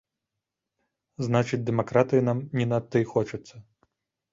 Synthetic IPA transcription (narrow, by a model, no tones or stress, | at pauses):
znat͡ʃɨt͡sʲd̪ɛmakɾat̪ɨjinamnʲinɐt̪ːɨxɔt͡ʃɐt̪sːɐ